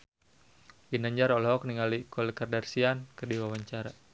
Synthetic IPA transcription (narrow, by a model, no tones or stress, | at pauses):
ɡinaɲd͡ʒaɾɔlɦɔk̚niŋalikɔlɛkardarsiankərdiwawaɲt͡ʃaɾa